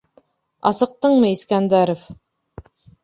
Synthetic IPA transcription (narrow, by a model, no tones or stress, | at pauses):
ɑ̰sɤ̆q̚t̪ɤɴmɤiskænd̪æɾof